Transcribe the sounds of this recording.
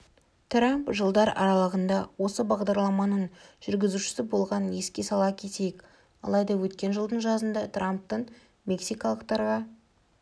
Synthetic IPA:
t̪ʰrampʒəlˠd̪ɑɾɑ̰ɾɑlˠəʁənd̪ɑwo̞səbɑʁd̪ɑɾlˠɑmɑnəɴʒ̥ʏɾɡʲɪzuʃɪ̥sɪbo̞lˠʁɑnje̞skʲe̞sɑlˠɑkʲʰe̞t̪e̞jɪk | ɑ̰lˠɑjd̪ɑwɵt̪kʲe̞nʒəlˠd̪əɴʒɑzənd̪ɑt̪ramp̚t̪əɴ | mʲe̞ksijkɑlˠəq̚t̪ɑɾʁɑ

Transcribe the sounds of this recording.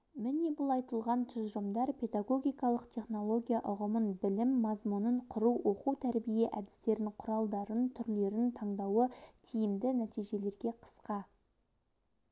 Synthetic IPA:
mɪne̞bʊlˠɑjt̪əlˠʁɑnt̪ʰʏzʒəmd̪ɑɾpʰe̞d̪ɑɡo̞ɡʲijkɑlˠəqt̪ʰʲe̞χno̞lˠo̞ɡʲijaʔʊʁəmənbɪlɪmːɑzmʊnəɴqʰʊɾuwwo̞quwt̪ʰæɾbije̞ʔæd̪ɪ̥st̪e̞ɾɪɴqʰʊɾɑlˠd̪ɑɾənt̪ʰʏɾle̞ɾɪnt̪ʰɑɴd̪ɑwət̪ʲʰijɪmd̪ɪnæt̪ijʒe̞le̞ɾɡʲe̞qʰə̥sqɑ

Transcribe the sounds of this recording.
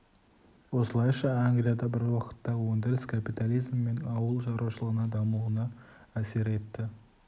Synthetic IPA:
wo̞səlˠɑjʃɑaŋɡlʲijad̪ɑbɪɾwɑqə̥t̪ːɑwond̪elʲskʰapijt̪alʲijzmːenɑwəlˠʒɑɾɑʃəlˠəʁənɑd̪ɑmulˠənɑæse̞ɾe̞t̪ːɪ

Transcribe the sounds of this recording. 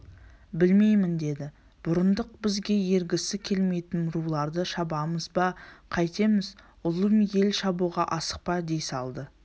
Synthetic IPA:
bɪlme̞jmɪnd̪e̞d̪ɪ | b̥ʊɾənd̪əq̚bɪzɡʲe̞je̞ɾɡʲɪsɪkʲʰe̞lme̞jt̪ɪnɾulˠɑɾd̪əʃɑbɑməzbɑqʰɑjt̪e̞mɪz | ʊlˠəmje̞lʃɑbuʁɑʔɑsə̥q̚pɑd̪e̞jsɑlˠd̪ə

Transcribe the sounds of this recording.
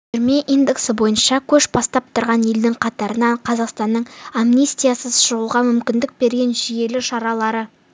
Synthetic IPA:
ɾmeʔijnd̪eksəbo̞jənʃɑkʲʰɵʃbɑst̪ɑp̚t̪ʰʊɾʁɑnje̞ld̪ɪŋqʰɑt̪ɑɾənɑɴqʰɑzɑqst̪ɑnːəɴamnist̪ijasəzʃʊʁəlˠʁɑmʏmkʲɪnd̪ɪk̚be̞ɾɡʲe̞nʒije̞lɪʃɑɾɑlˠɑɾə

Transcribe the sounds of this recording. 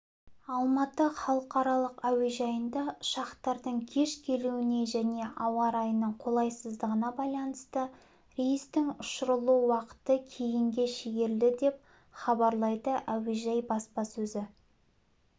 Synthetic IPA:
ɑlˠmɑt̪əχɑlˠəqɑɾɑlˠəqæweʒɑjənd̪ɑʃɑqt̪ɑɾd̪əɴkʲʰe̞ʃkʲʰe̞luwɪne̞ʒæne̞ʔɑwɑɾɑjənəɴqʰo̞lˠɑjsəzd̪əʁənɑbɑjlˠɑnəst̪ə | ɾejst̪ɪŋʊʃəɾəlˠuwɑqə̥t̪əkʲʰe̞jɪŋɡʲe̞ʃeɡʲe̞ɾld̪ɪd̪e̞p̚ | χɑbɑɾlˠɑjd̪əʔæweʒɑjbɑspɑsɵzɪ

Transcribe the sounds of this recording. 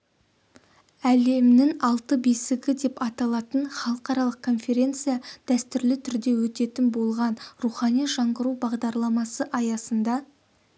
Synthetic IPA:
æle̞mnɪŋɑlˠt̪əbesɪɡʲɪd̪e̞pɑt̪ɑlˠɑt̪ənχɑlˠəqɑɾɑlˠəq̚kʰːo̞nfe̞ɾʲe̞nt̪sɨjad̪̥æst̪ʏɾlɪt̪ʰʏɾd̪e̞wɵt̪e̞t̪ɪnbo̞lˠʁɑnruχɑnijʒɑɴʁəɾubɑʁd̪ɑɾlˠɑmɑsəʔɑjɑsənd̪ɑ

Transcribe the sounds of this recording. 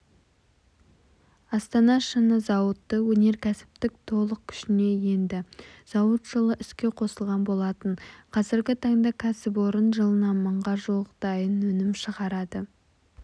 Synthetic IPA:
ɑst̪ɑnɑʃənəzɑwət̪ːəwɵne̞ɾkʲʰæsɪ̥p̚t̪ɪk̚t̪ʰo̞lˠəq̚kʲʰʏ̥ʃɪne̞je̞nd̪ɪz̥ɑwət̪ʒ̥əlˠəʔʏskʲe̞qʰo̞səlˠʁɑnbo̞lˠɑt̪əɴqʰɑzɪɾɡʲɪt̪ʰɑɴd̪ɑkʲʰæsɪp̬wo̞ɾənʒəlˠənɑnməɴʁɑʒoqd̪̥ɑjənwɵnɪmʃəʁɑɾɑd̪ə

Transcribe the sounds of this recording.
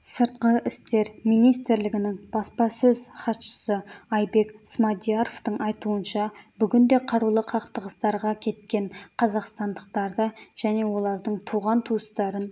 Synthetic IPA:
səɾt̪̚qəʔɪst̪e̞ɾmijnijst̪ɾlɪɡʲɪnɪŋb̥ɑspɑsɵz̥χɑt̪ʃə̥səɑjbe̞ksmɑd̪ijaɾoft̪əɴʔɑjt̪uənʃɑbʏɡʲɪnd̪e̞qʰɑɾulˠəqʰɑqt̪əʁəst̪ɑɾʁɑkʲʰe̞t̪kʲe̞ɴqʰɑzɑqst̪ɑnd̪əqt̪ɑɾd̪əʒ̥æne̞wo̞lˠɑɾd̪əɴt̪ʰuʁɑnt̪ʰuəst̪ɑɾən

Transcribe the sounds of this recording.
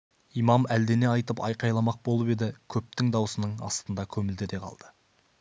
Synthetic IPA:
ijmɑmæld̪e̞ne̞ɑjt̪əpɑ̰jqɑjlˠɑmɑq̚bo̞lˠəpe̞d̪ɪkʲʰɵp̚t̪ɪŋd̪ɑwsənəɴɑ̰st̪ənd̪ɑkʲʰɵmɪld̪ed̪e̞qʰɑ̰lˠd̪̥ə

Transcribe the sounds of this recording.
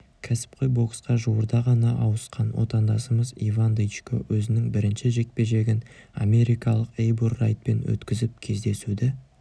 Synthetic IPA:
kʲʰæsɪ̥p̚qojbo̞ksqɑʒuwəɾd̪ɑʁɑnɑʔɑwəsqɑnwo̰t̪ɑnd̪ɑsəməzivand̪ejt͡ʃko̰wɵzɪnɪŋbɪɾɪnʃɪʒe̞k̚pe̞ʒe̞ɡʲɪna̰me̞ɾijkɑlˠəqejburːa̰jt̪̚pe̞̰nwɵ̰t̪kʲɪzɪp̚kʲʰe̞zd̪e̞sud̪ɪ

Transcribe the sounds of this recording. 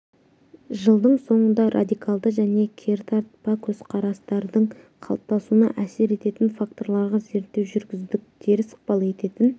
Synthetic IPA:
ʒəlˠd̪əɴso̞ɴənd̪ɑɾʔa̰d̪ijkalˠd̪əʒæne̞kʲʰe̞ɾt̪ʰɑɾt̪̚pɑkʲʰɵz̥qʰɑɾɑst̪ɑɾd̪əɴ | qʰɑ̰lˠp̚t̪ɑsunɑ̰ʔæse̞ɾe̞t̪e̞t̪ɪnfak̚t̪o̞ɾlˠɑɾʁɑze̞ɾt̪ːewʒʏɾɡʲɪzd̪ɪk̚t̪e̞ɾɪsə̥q̚pɑlˠe̞t̪e̞t̪ɪn

